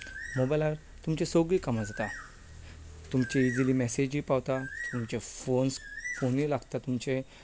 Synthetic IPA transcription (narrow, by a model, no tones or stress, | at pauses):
mobalaɾ | t̪umt͡ɕesoɡɭikamad͡zat̪a | t̪umt͡ɕiid͡zilimɛsed͡ʑiːpawt̪at̪umt͡ɕefonsfonilaɡt̪at̪umt͡ɕe